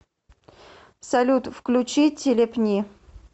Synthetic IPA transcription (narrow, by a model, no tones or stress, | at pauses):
sɐlʲut̪fklʲʊt͡ɕitʲɪlʲɪpnʲi